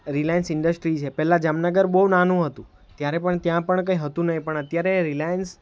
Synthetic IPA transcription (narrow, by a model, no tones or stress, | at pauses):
ɾilajənsɪɳɖəsʈɾit͡ʃʰepɛlad͡ʒamnəɡəɾbownanũɦət̪ũ | t̪jaɾepəɳt̪jãpəɳkə̃iɦət̪ũnəipəɳət̪jaɾeɾilajəns